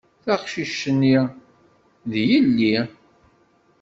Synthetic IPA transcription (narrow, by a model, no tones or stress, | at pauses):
θæχʃiʃənːi | ðjəlːi